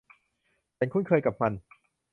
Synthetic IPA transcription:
t͡ɕa˧nkʰu˥˩nkʰɤː˧jka˨˩p̚ma˧n

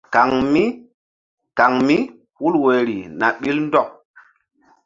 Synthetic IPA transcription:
ka˨ŋmi˦ | ka˨ŋmi˦ | wu˦lwe˨ɾḭ˨na̰˨ɓi˦ln˦dɔ˦˨ŋ

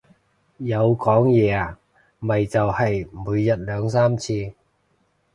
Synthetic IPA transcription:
jɐ˨˧wkɔː˨˥ŋjɛː˨˧a˨ | mɐ˨jt͡sɐ˨whɐ˨jmuː˨˧jːɐ˨t̚lœː˨˧ŋsaː˥mt͡sʰiː˧

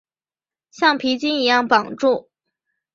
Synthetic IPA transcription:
ɕjɑ˥˩ŋpʰi˧˥t͡ɕi˥ni˧˥jɑ˥˩ŋpɑ˨˩ŋʈ͡ʂu˥˩

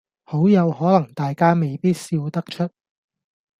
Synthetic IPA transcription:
ho˨˥wjɐ˨˧whɔː˨˥lɐ˨˩ŋt̪aː˨jkaː˥me˨˩jpiː˥t̚siː˧wt̪ɐ˥k̚t͡ʃʰɵ˥t̚

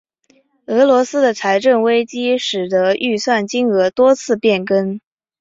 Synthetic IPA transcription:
ɤ˧˥lwɔ˧˥sɹ̩˥d̪ə˨t͡sʰa˧˥ɪʈ͡ʂə˥˩nwe˥ɪt͡ɕi˥ʂɻ̩˨˩d̪ə˧˦˥y˥˧swa˥˩nt͡ɕi˥ŋɤ˧˥t̪wɔ˥t͡sʰɹ̩˥˧pjɛ˥˩nkə˥n

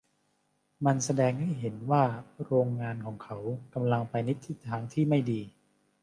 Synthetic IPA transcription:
ma˧nsa˧dɛː˧ŋha˥˩jɦe˩˦nwaː˥˩ɾoː˧ŋːaː˧nkʰɔː˩˦ŋkʰa˦˥wka˧mla˧ŋpa˧jni˦˥t̪ʰːi˦˥˩t̪ʰaː˧ŋt̪ʰiː˥˩ma˥˩jdiː˧

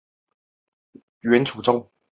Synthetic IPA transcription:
ɥɛ˨˧˦nt͡sʰu˨˩t͡so˥ŋ

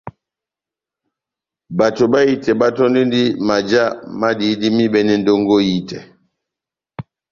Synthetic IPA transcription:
ba˨to˨ba˦ji˦tɛ˨ba˦tɔ˦ndi˦ndi˦ma˨d͡ʒa˦ma˦di˨˦di˦mi˦bɛ˨nɛ˦n˦do˦ŋɡo˦ji˦tɛ˨

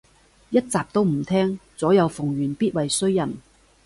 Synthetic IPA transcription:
jɐ˥t̚t͡saː˨p̚t̪o˥wm̩˨˩t̪ʰɛː˥ŋt͡sɔː˨˥jɐ˨˧wfʊ˨˩ŋjyː˨˩npiː˥t̚wɐ˨jsɵ˥ɥjɐ˨˩n

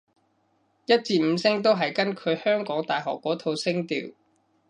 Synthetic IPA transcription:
jɐ˥t̚t͡siː˧m̩˨˧sɪ˥ŋt̪o˥wɦɐ˨jkɐ˥nkʰɵ˨˧ɥhœː˥ŋkɔː˨˥ŋt̪aː˨jɦɔ̰ː˨kːɔː˨˥t̪ʰo˨˧wsɪ˥ŋt̪ḭː˨˩w

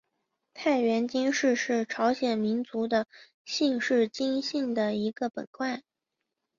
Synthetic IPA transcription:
t̪ʰa˥˩ɪɥɛ˧˥nt͡ɕi˥nʂɻ̩˥˧ʂɻ̩˥˩ʈ͡ʂʰɑ˧˥ʊɕjɛ˨˩nmi˧˥nt͡su˧˥d̪ə˧ | ɕi˥˧ŋʂɻ̩˥˩t͡ɕi˥ŋɕi˥˩ŋd̪ə˩i˧˥ɡ̥ə˧pə̰˨˩nkwa˥˩ɪ

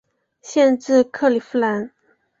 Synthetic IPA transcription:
ɕjɛ˥˧nʈ͡ʂɻ̩˥˧kʰɤ˥˩li˨˩fu˥˩la˧˥n

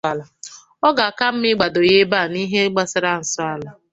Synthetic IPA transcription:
la˨ | ɔ˦ɡa˨a˨ka˦m̩˦mɪ˦ɡ͡ba˨do˨je˦ba˦˨ni˦ɦe˦ɡ͡ba˦sɪ˦ɾa˦n̩˨sɔ˦a˦la˨

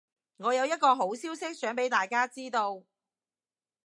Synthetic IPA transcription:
ŋɔː˨˧jɐ˨˧wjɐ˥t̚kɔː˧ɦo˨˥wsiː˥wsɪ˥k̚sœː˨˥ŋpe˨˥jt̪aː˨jkaː˥t͡siː˥t̪o˧w

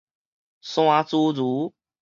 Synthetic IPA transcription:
sw̃a˦t͡su˦d͡zu˨˦

